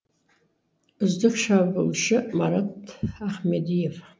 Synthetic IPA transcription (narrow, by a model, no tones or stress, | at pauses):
zdɨχʃabɨlʃɨmaɾatʰaħmedijev